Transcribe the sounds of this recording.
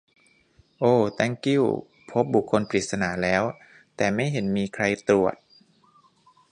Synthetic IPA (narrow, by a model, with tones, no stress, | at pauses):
ʔoː˧˩t̪a˦˥˩ŋki˥˩w | pʰo˦˥p̚bu˨˩kʰːo˧npɾi˨˩t̪̚sa˧naː˩˦lɛː˦˥w | t̪ɛː˨˩ma˥˩jɦe˩˦nmiː˧kʰɾa˧jt̪ɾu˨˩ət̪̚